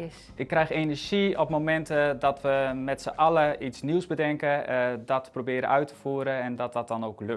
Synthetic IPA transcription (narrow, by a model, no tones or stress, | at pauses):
ɪkːrɛjxenɛrz̥iɔpmomɛntədɔtʋəmɛtsəʔɑləitsniwsbədɛŋkədɔtprobɪːɾə̰œɥtʰə̥fuəɾəɛndɔt̚dɔt̚dɔnoːklø